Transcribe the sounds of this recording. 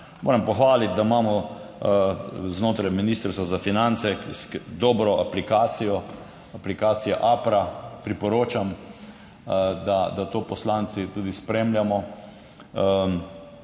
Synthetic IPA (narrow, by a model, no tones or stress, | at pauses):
mo̰ːɾɐmpɔxʋaːlit̪̚d̪amaːmɔ | znoːt̪ɾajminist̪əɾst̪ʋɔzafinant̪sɛsd̪ɔːbɾɔʔaplikaːt̪sijɔ | aplikaːt̪sijɛʔaːpɾapɾipɔɾoːt͡ʃam | d̪ad̪at̪oːpɔslansit̪uːd̪ispɾeːmljamɔ